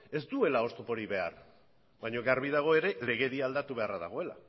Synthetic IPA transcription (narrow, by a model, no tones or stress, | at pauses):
e̞zd̪ue̞lao̞st̪opo̞ɾiβe̞a̰r | baɲo̞ɣaɾβiðaɣ̞o̞e̞ɾe̞le̞ɣ̞e̞ðiald̪at̪uβe̞araða̰ɣo̞e̞la̰